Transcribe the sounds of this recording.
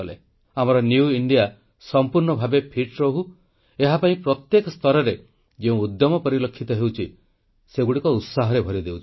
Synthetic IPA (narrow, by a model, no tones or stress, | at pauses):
lḛ | amɔɾɔnjuiɳɖija | sɔmpuɾɳɔbʱabepʰiʈɾɔɦu | eɦapaĩpɾɔt̪jekɔst̪ʰɔɾɔɾe | d͡ʒeũud̪jɔmɔpɔɾilɔkʰːit̪ɔɦewt͡ʃʰi | seɡuɽikɔut̪saɦɔɾebʱɔɾid̪ewt͡ʃʰ